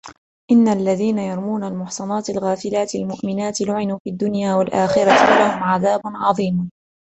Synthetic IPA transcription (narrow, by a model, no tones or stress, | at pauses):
ʔɪnːalːaðiːnajɑɾˤmuːnalmʊħsˤɑnɑːt̪ɪlɣaːfɪlaːt̪almʊʔmɪnaːt̪ɪlʊʕɪnuːfiːd̪ːʊnjaːwalʔaːxɪɾat̪walahʊmʕaðaːbʊnʕɑðˤiːm